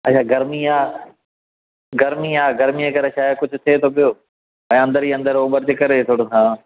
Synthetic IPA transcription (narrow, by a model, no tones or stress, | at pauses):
ət͡ʃʰaːɡɐɾmiaː | ɡɐɾmiaːɡɐɾmiẽkɐɾeʃaːjəkʊd͡ʑʱʊt̪ʰet̪ʰoːpɪjoː | ɛ̃ːɐ̃nd̪əɾiːə̃nd̪əɾoːɓəɾt͡ɕekɐɾet̪ʰoːɽoɦãː